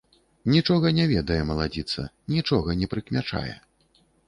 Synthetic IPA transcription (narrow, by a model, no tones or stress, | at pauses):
nʲit͡ʂɔɣɐnʲɛvʲɛd̪ɐjɛmɐlˠad͡zʲit̪sɐ̰ | nʲit͡ʂɔɣɐnʲɛpɾɨkmʲat͡ʂa̰jɛ̰